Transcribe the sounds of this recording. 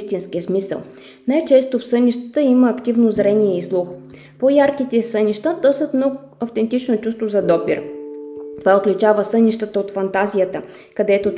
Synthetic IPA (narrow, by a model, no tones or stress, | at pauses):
st̪inskiəsmisə̰lˠ | najt͡ʃɛst̪ofsɤnʲiʃt̪ə̥t̪əiməːkt̪ivnozɾɛniɛislˠux | pojaɾkit̪ɛsɤnʲiʃt̪əd̪ɔst̪ət̪mnɔɡ | ɐft̪ɛnt̪it͡ʃnot͡ʃust̪vozɐd̪ɔpḭɾ | t̪ovaot̪lʲit͡ʃavəsɤniʃt̪ət̪əot̪fɐnt̪azijət̪ə | kɐd̪ɛt̪o